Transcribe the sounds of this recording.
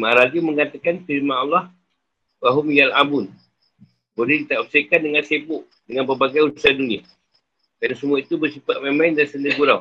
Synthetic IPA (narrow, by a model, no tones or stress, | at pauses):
maaɾadiməŋat̪akanfiɾmanɔlːɑh | waɦʊmjalabʊn | bolɛhdit̪aʔusekandəŋansepʊʔ | dəŋanpərbaɡajuusadunia | dansəmuait̪ubərsipat̪̚memandansəndəɡuɾaw